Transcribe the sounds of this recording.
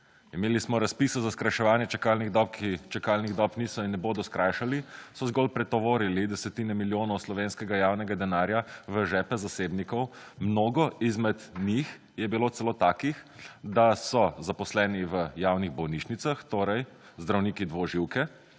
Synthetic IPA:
imeːlismɔɾaspiːsɔzaskɾajʃɛʋaːnjɛt͡ʃɛkalniɣd̪ɔp̚kʰit͡ʃɛkaːlniɣd̪ɔpniːsɔinːɛboːd̪ɔskɾajʃalisɔzɡɔlpɾɛt̪ɔʋoːɾilid̪ɛsɛt̪iːnɛmiljoːnɔwslɔʋeːnskɛɡajaːwnɛɡad̪ɛnaːɾjaʋəʒɛːpɛzaseːbnikɔwmnoːɡɔizmɛd̪nix | jɛbiloːt̪sɛloːt̪aːkixd̪asɔzapɔslɛːniʋəjaːwniɣbɔwniːt͡ʃnit̪saxt̪oːɾɛj | zd̪ɾawniːkid̪ʋoʒiwkɛ

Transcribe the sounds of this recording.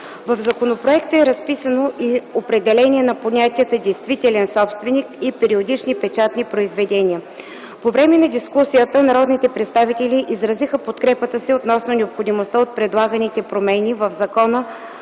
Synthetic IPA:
vəvzɐkonopɾoɛkt̪əɛɾɐspisənoʔiopɾɛd̪ɛlɛnʲiɛnɐponʲat̪ʲiət̪əd̪ɛjst̪vit̪ɛlɛnsɔpst̪vɛnikipɛɾiod̪it͡ʃnipɛt͡ʃat̪nʲipɾoizvɛd̪ɛnʲiə | povɾɛmɛnɐd̪iskusijət̪ənɐɾɔd̪nit̪ɛpɾɛt̪st̪avit̪ɛliʔizɾɐzixəpot̪kɾɛpət̪əsiot̪nɔsnonʲɛopxod̪imost̪əot̪̚pɾɛd̪lˠaɡənit̪ɛpɾomɛnʲivəvzɐkɔnə

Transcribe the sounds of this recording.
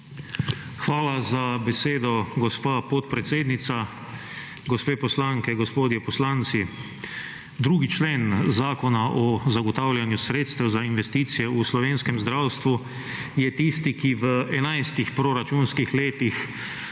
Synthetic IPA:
xʋaːlazabɛseːd̪ɔɡɔspaːpɔt̪pɾɛt̪seːd̪nit̪sa | ɡɔspeːpɔslaŋkɛɡɔspoːd̪jɛpɔslant̪si | d̪ɾuːɡit͡ʃleːnzaːkɔnaʔɔzaɡɔt̪awljanjusɾeːt̪st̪ɛwzainʋɛst̪iːt̪sijɛuslɔʋeːnskɛmzd̪ɾawst̪ʋu | jɛt̪ist̪ikiʋəɛnajst̪ixpɾoɾat͡ʃunskixleːt̪ix

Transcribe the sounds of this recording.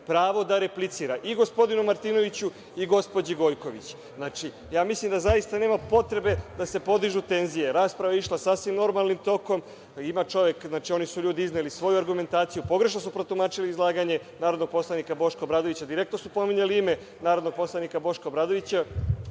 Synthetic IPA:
pɾaːʋo̞d̪aɾe̞plit̪siːɾaʔiɡo̞spo̞d̪inumaɾt̪iːno̞ʋit͡ɕu | iɡo̞spo̞d͡ʑiɡo̞jko̞ʋḭt͡ɕ | znaːt͡ʃi | jaːmislimd̪azaist̪aneːmapo̞t̪ɾe̞be̞d̪ase̞po̞d̪iʒut̪e̞nzije̞ɾaːspɾaʋaiʃlasasʋimno̞ɾmalˠnimt̪o̞ko̞m | imat͡ʃo̞ʋjekznaːt͡ʃio̞nisuʎuːd̪iiznelisʋo̞juaɾɡume̞nt̪aːt̪sijupo̞ɡɾe̞ʃ̬no̞supɾot̪umaːt͡ʃiliːzlˠaːɡaɲe̞ | naːɾod̪nɡ̚po̞slˠanikabo̞ʃkobɾaːd̪o̞ʋit͡ɕad̪iɾek̚t̪nosupo̞miɲaliime̞ | naːɾo̞d̪noɡ̚po̞slˠanikabo̞ʃkobɾaːd̪o̞ʋit͡ɕa

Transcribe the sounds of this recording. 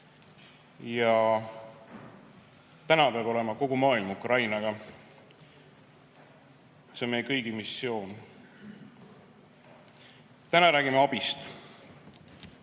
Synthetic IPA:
jɑ | t̪ænɑpeɑb̥o̞le̞mɑko̞ɡ̥umɑːilmukrɑjnɑɡ̥ɑ | senmejekɤjɡ̥imisːio̞ːn | t̪ænɑɾæːɡ̥imeɑb̥ist̪

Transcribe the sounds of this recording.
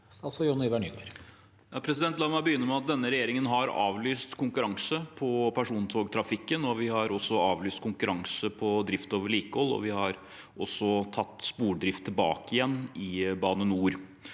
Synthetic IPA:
ɑsɔjunɪʋæɳʏɡməɾ | jɑːpʰɾɛsɪd̪ɛnt̪lɑːmæbəjʏnːəmɛɑt̪̚d̪ɛnːəɾɛjeːɾɪŋənɦɑɾɑ̰ːʋlyːst̪kʰʊŋkʉɾɑŋsəpʰɔpʰæʂuːnt̪ʰoːɡt̪ʰɾɑfɪkːənɔʋɪhɑɾɔsːɔɑːʋlyːst̪kʰʊŋkʉɾɑŋsəpʰɔd̪ɾɪft̪oːʋəɭiːkəhɔlːɔ̰ʋɪhɑɾ | ʔɔsːɔt̪ʰɑt̪ːspuːɖɾɪft̪ʰːɪlbɑ̰ːkɪjɛnːɪbɑːnənuːɾ

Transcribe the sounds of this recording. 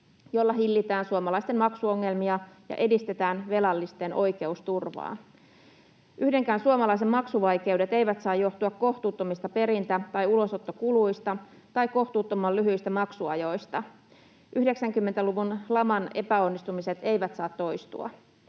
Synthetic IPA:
jo̞lːɑɦilːit̪æːnsuomɑlɑist̪enmɑksuoŋːe̞lmiɑjɑ̰ʔe̞dist̪e̞t̪æːnʋe̞lɑlːist̪e̞nʔo̞jke̞ust̪urʋɑ̰ː | ʔyhde̞ŋkæːnsuomɑlɑis̬emmɑksuʋɑjke̞wde̞t̪e̞jʋæt̪sɑːjjo̞ht̪uɑkko̞ht̪uːt̪ːomist̪ɑpe̞ɾint̪æt̪ɑjulo̞so̞t̪ːokuluist̪ɑ | t̪ɑjko̞ht̪uːt̪ːomːɑlyɦyist̪æmɑksuɑjo̞jst̪ɑ | ʔyhde̞ksæŋkymːe̞nt̪æluʋunlɑmɑne̞pæo̞nːist̪umiset̪e̞jʋæt̪sɑːt̪ːo̞jst̪ṵɑ̰

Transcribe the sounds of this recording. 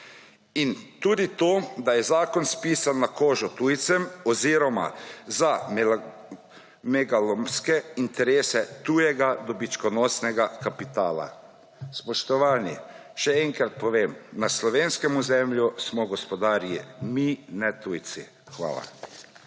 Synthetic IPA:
int̪uːd̪it̪oːd̪ajɛzaːkɔnspiːsanːakoːʒɔt̪uːjt̪sɛmɔziːɾɔma̰za | mɛɡalɔmskɛint̪ɛɾeːsɛt̪ujɛɡad̪ɔbit͡ʃkɔnɔːsnɛɡakapit̪aːla̰ | spɔʃt̪ɔʋaːni | ʃɛɛŋkɾat̪̚pɔʋeːmnaslɔʋeːnskɛmuzɛmljusmɔɡɔspɔd̪aːɾjiminɛt̪ujt̪si | xʋa̰ːla̰

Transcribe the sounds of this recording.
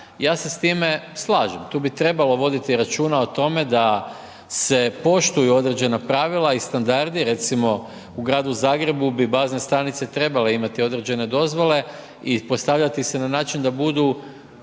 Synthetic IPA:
jaːse̞st̪ime̞slˠaːʒemt̪uːbit̪ɾe̞balo̞ʋo̞d̪it̪iɾat͡ʃuːnao̞t̪o̞me̞d̪a | se̞po̞ʃt̪ujuo̞d̪ɾe̞d͡ʑe̞napɾaʋilˠaist̪and̪aɾd̪iɾe̞t̪simo̞ | uɡɾaːd̪uzaːɡɾe̞bubibaːzne̞st̪ɾanit̪se̞t̪ɾe̞bale̞imat̪io̞d̪ɾe̞d͡ʑe̞ne̞d̪o̞zʋo̞le̞ | ipo̞st̪aʋʎat̪ise̞nanaːt͡ʃind̪abud̪u

